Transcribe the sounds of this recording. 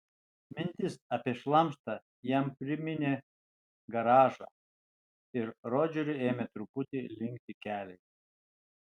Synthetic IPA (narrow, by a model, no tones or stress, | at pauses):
mʲɪnʲt̪ʲɪsɐpʲeɛʃlˠɐmʃt̪ɐ | jɛmpʲɾʲɪmʲɪnʲe | ɡɐɾɑːʒɑ̰ | ɪɾɾoːd͡ʒʲuɾʲʊeːmʲet̪ɾʊpʊt̪ʲɪlʲɪŋʲk̚ʲt̪ʲɪkʲæːlʲɛɪ